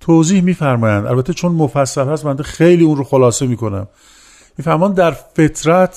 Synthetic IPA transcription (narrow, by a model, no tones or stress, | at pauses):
t̪ʰoziːhmiːfæɾmɒːjænd̪ʔæ̰lbæt̪ʰːet͡ʃʰonmofæsːælhæst̪bænd̪exejliːunɾoxolɒːse̞miːko̞næ̰mː | iːfæɾmɒnd̪d̪ːæɾfe̞t̪ʰɾæt̪ʰ